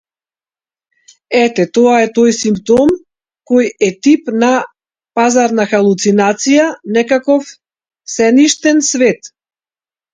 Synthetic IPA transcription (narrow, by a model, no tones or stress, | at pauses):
ɛt̪ɛt̪ɔaɛt̪ɔjsimpt̪ɔm | kɔjɛt̪ipna | pazaɾnaxalˠut̪sinat̪sijanɛkakɔf | sɛniʃt̪ɛnsvɛt̪